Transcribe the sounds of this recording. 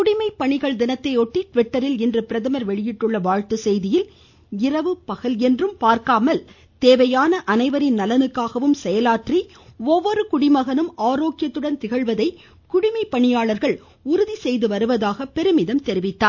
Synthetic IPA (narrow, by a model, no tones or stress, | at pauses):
kʊɽɪmɐɪpːɐɳɪɣɐɭd̪ɪnɐt̪ːɐɪɔʈːiʈʋɪʈːɐɾɪlɛndrɯpɪɾɐðɐmɐɾʋɛɭɪjɪʈːɯɭːɐʋaːɻt̪ɯsɛjðɪjɪl | ɪɾɐʋɯpɐɣɐlɛndrɯmpaːɾkaːmɐl | t̪eːʋɐjaːnɐʔɐnɐɪʋɐɾɪnnɐlɐnɯkːaːɣɐʋɯmsɛjɐlaːʈri | ɔʋːɔɾɯkʊɽɪmɐɣɐnɯmaːɾoːkɪjɐt̪ːɯɽɐnt̪ɪɣɐɭʋɐðɐɪ | kʊɽɪmɐɪpːɐɳɪjaːɭɐɾɣɐɭ | ʊɾɯðisɛjðɯʋɐɾɯʋɐðaːɣɐpɛɾɯmɪðɐmt̪ɛɾɪʋɪt̪ːaːɾ